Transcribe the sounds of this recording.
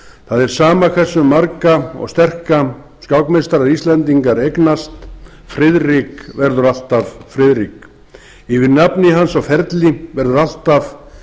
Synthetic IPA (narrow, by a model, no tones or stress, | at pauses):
θaðɛɾ̥saːmakʰvɛ̥sːʏmːaɾkaɔ̰st̪ɛr̥ka | scawkmest̪aɾaɾist̪lɛnt̪iŋkaɾejknast̪ | fɾɪðrikvɛɾðʏɾal̥t̪avfɾɪðɾik | ivɪɾnapnɪɦansɔɣfɛɾt̪lɪvɛɾðʏɾal̥t̪av